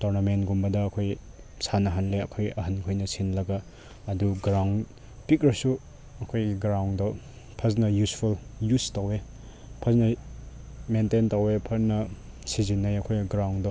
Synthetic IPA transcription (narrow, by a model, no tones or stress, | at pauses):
toɾnamentɡumbɐdɐːkʰoj | sanɐɦɐnleɐkʰojɐɦankʰojnɐsʰinlɐɡɐː | duɡɾawn | pik̚ɾɐsu | ɐkʰojɡiɡɾawndɔ | pʰɐsnɐjuspʰuljustawe | pʰɐsnɐ | mententawepʰɐsnɐ | sizinːɐjɐkʰojɡiɡɾawndɔ